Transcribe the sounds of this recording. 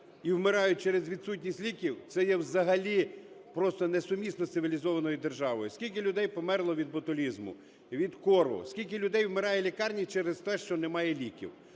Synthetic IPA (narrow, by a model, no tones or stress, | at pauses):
iwmɪɾɑjʊt͡ʃɛɾezʋʲid̪sutʲnʲisʲtʲlʲikʲiwt̪sɛjɛwzɐɦɐlʲipɾɔst̪ɔnɛsʊmʲisnɔssɪʋʲilʲizɔʋɐnɔjʊd̪erʒɑʋɔjʊskʲilʲk̬ɪlʲʊd̪ɛjpɔmɛrlˠɔʋʲid̪̚bɔt̪ʊlʲizmʊ̰ | ʋʲid̪kɔrʋʊ̰skʲilʲk̬ɪlʲʊd̪ɛjwmeɾɑjɛlʲikɑrnʲit͡ʃɛɾest̪ɛʃt͡ʃɔnɛmɑjɛlʲikʲḭw